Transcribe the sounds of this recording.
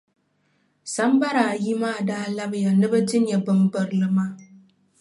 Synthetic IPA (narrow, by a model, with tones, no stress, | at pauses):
sɐ˦mbɐ˦ɾaː˨ji˦maː˦˨daː˦lɐ˦bja˨nɨ˦bɐ˦d͡ʒɪ˦njɛ˨bɨ˦mbɐ˨ɾlɨ˦ma˦